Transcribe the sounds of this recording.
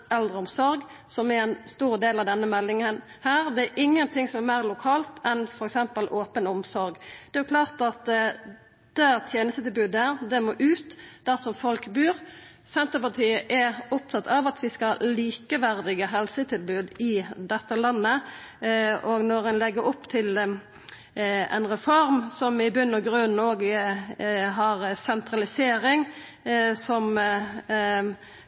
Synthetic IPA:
ɛld̪ʁəɔmsɔɾɡ | sɔmɛɛnst̪uːʁd̪eːlɑʋd̪ɛnːəmɛlːɪŋən | hæːʁd̪ɛæɾʔɪŋːənt̪ʰɪŋsɔmɛɾmæːʁlʊkʰɑːlt̪ʰɛnfɔɾɛksɛmpəlʔoːpənɔmsɔɾɡd̪ɛːjʊkʰlɑːʁt̪ɑt̪ | d̪̥æːʁt̪ʰjeːnəst̪ət̪ɪlbʉːd̪æʁd̪ɛmoːʔʉːt̪d̪̥æʁsɔmfɔlkbʉːʁ | sɛnt̪əpɑt̪ʰiːəʔɛʊp̚t̪ʰɑt̪ːʰɑʋɑt̪ʰʋɪskɑliːkəʋæʁd̪ɪɡəɦɛlsət̪ʰɪlbʉːd̪ɪd̪ɛt̪ːəlɑnːə | oɡnɔɾɛnlɛɡəɾʊpːt̪ʰɪl | ɛ̰nʁɛfɔɾmsɔmɪbʉnːɔɡʁʉnn̩oːɡ | ɦɑʁsɛnt̪ʁɑlɪseːɾɪŋ | sɔm

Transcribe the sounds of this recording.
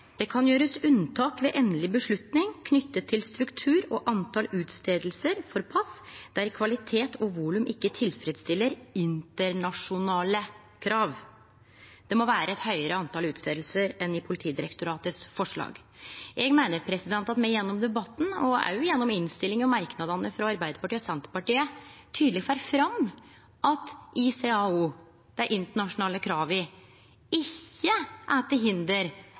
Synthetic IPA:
d̪̥ɛkʰɑnjøːɾəsʉnt̪ʰɑːkʋɛʔɛnlɪbəʂɭʉt̪nɪŋkʰnʏt̪ːət̪ʰːɪlst̪ɾʉkt̪ʰʉːɾɔʔɑnt̪ʰɑlʉːt̪st̪eːd̪l̩səɾfɔɾpʰɑsd̪̥æɾkʰʋɑlɪt̪ʰeːt̪ʰɔʋuːlʉmʔɪkːət̪ʰɪlfɾɛd̪st̪ɪlːəɾɪnt̪əɾɳɑʂʊnɑːlə | kʰɾɑːʋ | d̪̥ɛmɔʋæːɾəɛt̪hœʏəɾəɑnt̪ɑːlʉːt̪st̪eːd̪lsəɾɛnɪpʰʊlɪt̪ʰiːd̪ɪɾɛkt̪ʊɾɑːt̪əsfɔʂɭɑ̰ːɡ | ʔɛɡmæɪnəɾpʰɾɛsɪd̪ɛnt̪ɑt̪mɛɪjɛnːɔmd̪ɛbɑt̪ːn̩ɔæ̰jʊjɛnːɔmɪnst̪ɪlɪŋɔmɑɾknɑd̪ɑnəfɾɑɑɾbæɪd̪əɾpɑʈiːɔsɛnt̪əɾpɑʈiːət̪ʰyːd̪lɪɡfæːɾfɾɑm | ʔɑt̪ɪseɑːu | d̪̥æɪʔɪnt̪əɳɑʂʊnɑːləkʰɾɑːʋɪ | ɪçːəʔæːt̪əɾɦɪnd̪əɾ

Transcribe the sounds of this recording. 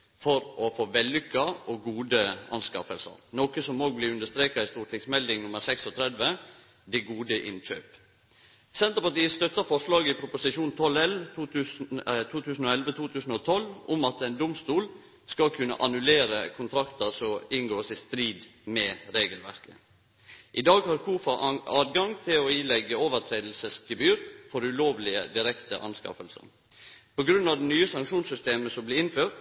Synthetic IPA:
fɔɾʔɔfoːʋɛlːʏkːɑɔɡuːd̪əɑ̰nskɑ̰fəlsə̰ɾnokəsɔmːoːɡ̚bliːʉnd̪əʂt̪ɾeːkɑɪst̪uːʈʰɪksmɛld̪ɪŋnʊməɾsɛksɔt̪ʰɾɛd̪ʋə | d̪ɛɡuːd̪əʔɪ̰nʃø̰ːp | sɛnt̪ɾəpɑʈiːəst̪œt̪ːəɾfɔʂlɑːɡəɪpʰɾʊpʊsɪʃuːnt̪ʰɔlɛlʋt̪uːt̪ʉːst̪ʰuːt̪ʰʉːsn̩ɔɛlʋət̪ʰuːt̪ʰʉːsn̩ɔt̪ʰɔlːʊmɑt̪ɛɪnd̪ʊmst̪uːl | skɑlkʰʉnə̰ʔɑnʉleːɾə̰kʰʊnt̪ʰɾɑkt̪əsɔɪŋɡoːsɪst̪ɾiːd̪mɛɾeːɡəlʋæ̰ɾkə | ʔɪd̪ɑːɡhɑɾkʰuːfɑɑːd̪ɡɑŋt̪ʰɪlɔiːlɛɡːəoːʋəɾt̪ʰɾeːd̪l̩səsɡəbyːɾfɔɾʉloːʋlɪə̰d̪ɪɾɛkt̪ə̰ʔɑ̰nskɑ̰fəlsə̰n | pɔɡɾʉnːɑʋd̪ɛnyːəsɑŋkʃuːnsʏst̪eːməsɔmblɪɪnføːɾt̪

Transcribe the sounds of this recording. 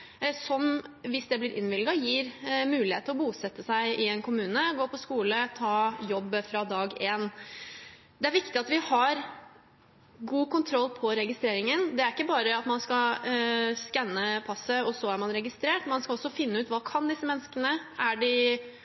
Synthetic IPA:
sɔmʋɪsd̪ɛblɪɾʔɪ̰nʋɪlɡɑjiːɾmʉːlɪheːt̪əɾɔbuːsɛt̪ːəsæɪʔɪɛnkʰʊmʉːnəɡoːpʰɔskuːlət̪ʰɑːjɔbːfɾɑd̪ɑːɡeːn | d̪ɛæɾʋɪkt̪ɪɑt̪ʋɪhɑɾ | ɡuːkʰʊnt̪ʰɾɔlːpʰɔɾɛɡɪst̪ɾeːɾɪŋənd̪ɛæɾɪkːəbɑːɾəɑt̪mɑnskɑ | skɛnːəpʰɑsːəɔsɔæɾmɑnɾɛɡɪst̪ɾeːʈmɑnskɑɔsːɔfɪnːəʉːt̪ʋɑːkʰɑnd̪ɪsːəmɛnːəskənəʔæɖɪ

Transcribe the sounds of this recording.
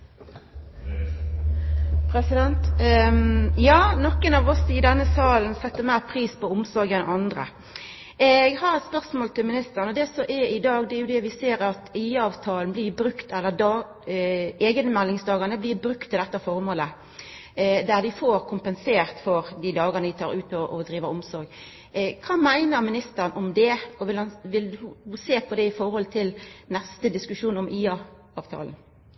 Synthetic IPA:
pʰɾɛsɪd̪ɛnt̪ | jɑːnɔkːənɑːʋɔsɪd̪ɛnːəsɑːln̩sɛt̪ːəmæɪʁpʰɾiːspʰɔʊmsɔɾɡɛnʔɑnd̪ʁə̰ | ʔɛɡhɑɾɛt̪spœʁsmoːlt̪ɪlmɪnɪst̪əʁnɔd̪ɛsɔʔɛɪd̪ɑːɡd̪ɛæɾjʊd̪ɛʋɪseːɾɑt̪ʰæɪɑːʋt̪ʰɑːln̩blɪːbɾʉkt̪ɛlːəd̪ | eːɡənmælːɪŋsd̪ɑːɡəɾnəblɪbɾʉkt̪ʰːɪld̪ɛt̪ːəfɔɾmoːlə | d̪æd̪ɪfoːɾkʰʊmpənseːʁt̪fɔɾd̪id̪ɑːɡənəd̪ɪt̪ʰɑːɾʉːt̪ɔʔɔd̪ɾiːʋəɔmsɔɾɡ | kʰɑːmæɪnəɾmɪnɪst̪əɾnʔɔmd̪ɛɔʋɪlɑnʋɪlhʊseːpʰɔd̪ɛɪfɔɾhɔlt̪ʰɪlnɛst̪əd̪ɪskʉʂuːnɔmʔiːɑ | ɑːʋt̪ʰɑ̰ːln̩

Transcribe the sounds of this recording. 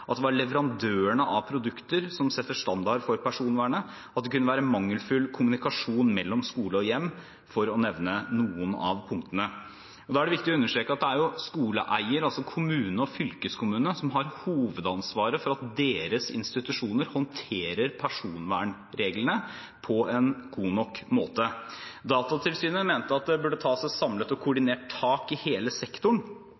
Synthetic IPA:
ʔɑt̪̚d̪ɛʋɑɭɛʋəɾɑnd̪øːəɳəʔɑpʰɾʊd̪ʉkt̪əɾsɔmsɛt̪ːəʂt̪ɑnd̪ɑɖfɔɾpʰæʂuːnʋæːɳə | ɑt̪̚d̪ɛkʉnːəʋæːɾəmɑŋːəlfʉlkʰʊmʉnɪkɑʂuːnmɛlːɔmskuːləɔjɛmː | fɔɾɔnɛʋnənuːənɑ̰ʋpʰʊŋk̚t̪ənə | ɔd̪ɑːæɖɛʋɪk̚t̪ɪɔʉnːəʂʈɾeːkəɑt̪̚d̪ɛæɾjʊskuːləʔæɪəɾɑlsɔkʰʊmʉːnəɔfʏlkəskʰʊmʉːnəsɔmɦɑɾhuːʋəd̪ɑnsʋɑːɾəfɔɾɑt̪̚d̪eːɾəsɪ̰nst̪ɪt̪ʉʂuːnəɾhɔnt̪ʰeːɾəɾpʰæʂuːnʋæːɳ | ɾeːɡlənə | pʰɔɛnɡuːnɔkːmoːt̪əd̪ɑːt̪ɑt̪ʰɪlsyːnəmeːnt̪əɑt̪̚d̪ɛbʉɖːət̪ʰɑːsæɪsɑmlət̪ɔkʰʊɖɪneːʈʰɑːkɪheːləsɛkt̪ʊɳ

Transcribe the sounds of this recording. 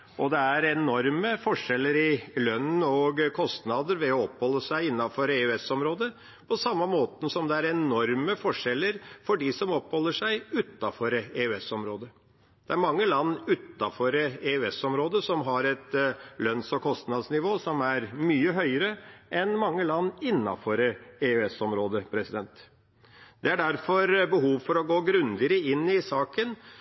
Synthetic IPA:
ʔɔd̪ɛæɾɛnɔɾməfɔʂɛlːəɾɪlœnːɔɡkʰɔst̪nɑd̪əɾʋɛɔɔpːhɔlːəsæɪɪnːɑfɔɾeʉɛsɔmɾoːd̪ə | pʰɔsɑmːɑmoːt̪əsɔmd̪ɛæɾɛnɔɾməfɔʂɛlːəɾfɔɖɪsɔmɔpːhɔlːəʂæɪʉt̪ːɑfɔɾeːʉɛsɔmɾoːd̪ə | d̪̥ɛæɾmɑŋːəlɑnːʉt̪ːɑfɔɾeːʉɛsɔmɾoːd̪əsɔmɦɑɾɛt̪lœnsɔkʰɔst̪nɑd̪snɪʋoːsɔmæɾmyːəɦœʏəɾəʔɛnmɑŋːəlɑnːɪnːɑ̰fɔɾeːʉɛsɔmɾoːd̪əpʰɾɛsɪd̪ɛnt̪ | d̪ɛæɖæɾfɔɾbəɦuːʋfɔɾɔɡoːɡɾʉnd̪ɪəɾəɪnːɪsɑːkən

